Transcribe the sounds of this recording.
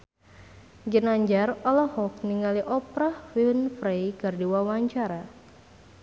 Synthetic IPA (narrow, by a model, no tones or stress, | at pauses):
d͡ʒənaɲd͡ʒarɔlɔhɔk̚niŋaliʔɔpɾahwilnfɾejɡardiwawaɲt͡ʃaɾa